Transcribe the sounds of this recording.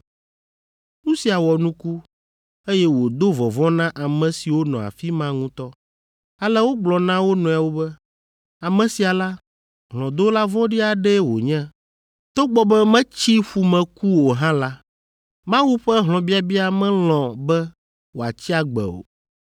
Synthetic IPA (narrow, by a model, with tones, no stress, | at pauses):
ŋũ˦si˨a˨wɔ˨nũ˦ku˦ | e˦jɛ˦wo˨d̪o˦vɔ˨vɔ̃˦nã˦ʔa˨mɛ̃˨si˨wo˦nɔ̃˨a̰˨fi˦mã˦ŋũ˦t̪ɔ˦ | a˦lɛ˦wo˦ɡ͡blɔ˨nã˦wo˦nɔ̃˨a˨wo˦bɛ˦ | a˨mɛ̃˨si˨a˨la˦ | ɦlɔ̃˨d̪o˦la˦vɔ̃˦ɖi˦a˨ɖɛ˦wo̰˨ɲɛ̃˦ | t̪o˦ɡ͡bɔ˨˦bɛ˦mɛ̃˦t͡ɕi˦ɸu˨mɛ̃˨ku˦wo˨ɦã˦la˦ | mã˦wu˦ɸɛ˦ɦlɔ̃˨bi˦a˨bi˦a˦mɛ̃˦lɔ̃˨bɛ˦ | wo˨a̰˨t͡ɕi˦a˨ɡ͡bɛ̰˨o̰˨